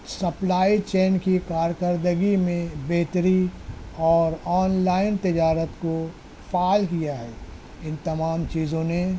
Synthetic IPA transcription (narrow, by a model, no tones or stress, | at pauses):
sɐplaːit͡ʃeːnkikaːɾkəɾd̪əɡimẽbeːt̪ɾiɔːɾɔːnlaːɪnt̪ɪd͡ʒaːɾət̪ko | faːlkijaɦɛː | ɪ̃nt̪ɐmaːmt͡ʃiːzõne